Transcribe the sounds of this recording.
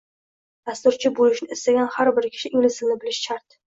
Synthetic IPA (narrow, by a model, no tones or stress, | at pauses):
d̪̥ast̪ʊɾt͡ʃʰɪbolɪʃnɪɪst̪aɡʲanhaɾbɪɾkʲʰɪ̥ʃɪʔɪŋlɪzɪlnɪbɪlɪʃt͡ʃʰaɾt̪